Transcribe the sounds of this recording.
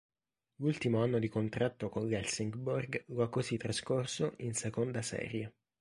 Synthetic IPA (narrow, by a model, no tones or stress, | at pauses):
lult̪imoanːod̪ikont̪ɾat̪ːokoŋɡɛlsiŋɡborɡlakːozit̪ːɾaskorsoʔinsekond̪asɛ̰ːɾje